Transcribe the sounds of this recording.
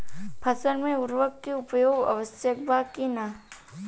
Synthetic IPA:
pʰɐsəɾmẽʊɾʋəkːeʊpjoːɡɐ̰ʋəsjək̚bʱaːkina

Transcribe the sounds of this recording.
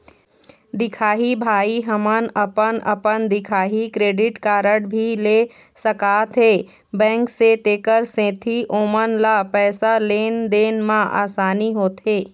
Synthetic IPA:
d̪ɪkʰaːɦibʱaːiɦəmənəpənəpənd̪ɪkʰaːɦikɾeːɖɪʈkaːɾəɽbʱileː | səkaːt̪ɦeː | bɛ̃ːŋkset̪eːkəɾsẽːt̪ʰiʔoːmənlapɛːsaleːnd̪eːnmãʔa̰ːsaːniɦoːt̪ɦeː

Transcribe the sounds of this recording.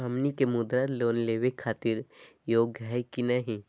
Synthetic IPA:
ɐmnikemʊd̪ɾaloːnleːwekʰaːt̪ɪɾjoːɡajkinaɦi

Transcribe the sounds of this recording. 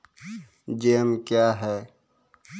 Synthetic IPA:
d͡ʒeːmkjaːɦɛː

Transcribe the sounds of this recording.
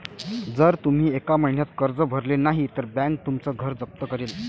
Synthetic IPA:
d͡zəɾt̪um̤iːekaməɦnjat̪kəɾd͡zəbʱəɾlenaɦit̪əɾbæ̃ŋk̚t̪umt͡səɡʱəɾd͡zək̚t̪əkəɾiːl

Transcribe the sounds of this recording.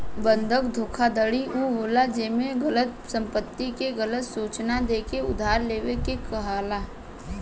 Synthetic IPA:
bə̃nd̪ʱək̚d̪ʱoːkʰad̪əɽiuɦoːlad͡ʒeːmẽɡɐlət̪̚sɐ̃mpət̪ːikeɡɐlət̪suːt͡ʃnad̪eːkeʊd̪ʱaːɾleːʋekekɐɦaːlaː

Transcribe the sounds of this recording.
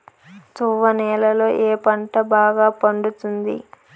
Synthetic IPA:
t̪uʋɐnɛːlɐlo̞ːʔeːpɐɳʈɐbaːɡaːpɐɳɖut̪und̪ḭ

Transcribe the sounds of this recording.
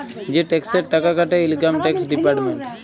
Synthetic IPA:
d͡ʒeʈekseʈɐkakaʈeilkamʈeksɖipaɾʈmeɳʈ

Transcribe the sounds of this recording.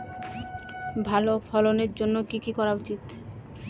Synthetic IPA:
bʱalofʰɔloneɾd͡ʑonːokikikɔɾaut͡ɕit̪

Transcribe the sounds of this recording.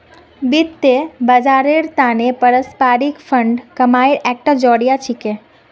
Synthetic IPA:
bit̪ːebəd͡ʒaɾeɾt̪anepəɾəspaːɾikfʰəɳɖkəmaiɾɛk̚ʈəd͡ʒɔːɽjat͡ʃʰike

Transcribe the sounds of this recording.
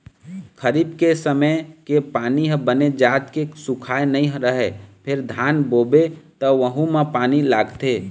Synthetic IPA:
kʰəɾibkesəməjkepaːniɦbəned͡ʒaːt̪kesʊkʰaːenəĩɦɾəɦepʰɪɾd̪ʱaːnboːbet̪ɔʋəɦũmẽpaːnilaːɡt̪eː

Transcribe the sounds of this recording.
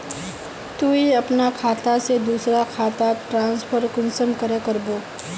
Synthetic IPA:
t̪uiɐpnakʰaːt̪ased̪uːsɾakʰaːt̪aʈɾãːnspʰəɾkʊnsəmkəɾekɐɾboː

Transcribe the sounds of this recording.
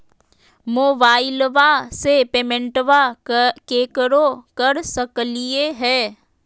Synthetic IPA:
moːbaːɪlʋasepeːmɛ̃ɳʈʋakeːkəɾokɐɾsəklieɦɛː

